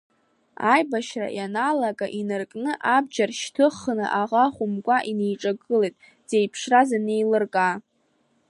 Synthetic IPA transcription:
ajbaʃra̰janalaɡʼaʔinɨrkʼnɨʔab̚d͡ʒarʃtʰɨχnɨ̰ʔaʁaχʷʊmkʷʼaʔinejʈ͡ʂʼaɡɨlejtʼ | z̥e̞jpʰʂrazane̞jlɨrkʼa

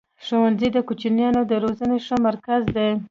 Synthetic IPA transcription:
ʃowanzid̪əkut͡ʃinjɑnod̪əɾozəneʂəmaɾkazd̪e

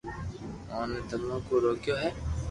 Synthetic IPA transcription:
ãːneːt̪əmːõːkoːɾoːkjoːɦɛː

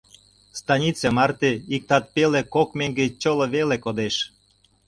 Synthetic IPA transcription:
st̪ɑnʲit͡semɑrt̪eik̚t̪ɑt̪̚pelekokmeŋɡet͡ɕoloβelekod̪eʃ

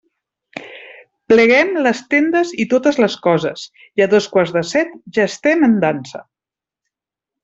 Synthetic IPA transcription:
pləɣɛmləst̪end̪əzit̪ot̪əzləskɔzəz | iəðoskwaɾrzðəsɛt̪ʒaəst̪ɛmənd̪ansə̰

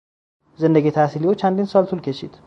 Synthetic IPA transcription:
zənːəɡet̪ʰasiliwot͡ʃːand̪insalt̪ʰulkʰeʃit̪ʰ

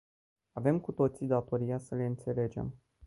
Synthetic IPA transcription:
ave̞mkut̪o̞t̪sid̪at̪o̞ɾijasəle̞ɨnt̪se̞le̞d͡ʒe̞̰m

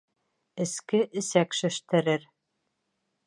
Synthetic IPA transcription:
ɘ̆skɘʔɘ̆sækʃɵ̆ʃt̪ɘ̆ɾɘɾ

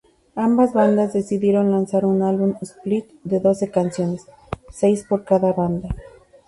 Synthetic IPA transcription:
ambazβand̪azðe̞siðje̞ɾo̞nlansaɾunalβumesplit̪d̪e̞ðo̞se̞kansjo̞ne̞sː | e̞jspo̞ɾkaðaβand̪a

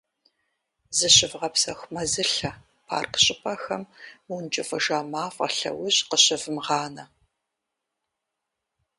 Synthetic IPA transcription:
zɨɕʼɪvʁɐpsɐxʷmɐzɨɬɐ | pʰa̰ːrqɕʼɪpʰʼɐxɐmwunt͡ʃʼɪfʼɐʒaːmaːfʼɐ̰ɬɐ̰wʊʑqəɕɪvɨmʁɑːnɐ

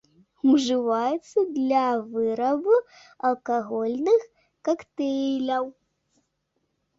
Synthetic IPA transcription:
uʐɨvajɛt̪sːɐd̪lʲavɨɾɐbɨ | ɐlˠkaɣɔlʲnɨx | kakt̪ɛjlʲɐw

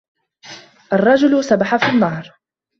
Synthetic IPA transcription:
ʔɑrˤːɑd͡ʒʊlsabaħafinːɑːɾˤ

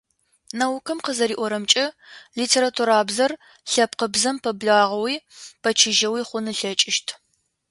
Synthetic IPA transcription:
nɐwkʰɨmqəzɐɾiːʔʷɔɾɐmt͡ʃʼɐliːtʰeːɾatʰuɾaːbzɐr | ɬɐp̚qəbzɐmpʰɐbɮaːʁɐwiːpʰɐt͡ʃʰɪʒɐwiːχʷʊnɨɬɐt͡ʃʼɪʃtʰ

